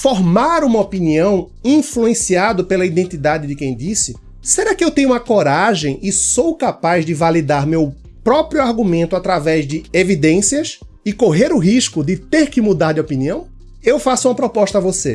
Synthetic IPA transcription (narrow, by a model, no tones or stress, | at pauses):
foɾmaɾũmɐopiniɐ̃w̃ | ĩfluẽsiad̪ʊpelɐid̪ẽnt̪id̪ad̪ɪd̪ɪkẽj̃d̪isɪ | seɾakɪewt̪ẽɲʊũmɐkoɾaʒẽj̃ɪsowkapazdɪvalid̪aɾmew | pɾɔpɾijʊaɾɡumẽnt̪ʊat̪ɾavɛzdɪevid̪ẽsiɐs | ɪkoɦeɾʊɦiʃkʊd̪ɪt̪eɾkɪmud̪aɾd̪ɪopiniɐ̃w̃ | ewfasʊũmɐpɾopɔʃt̪ɐavose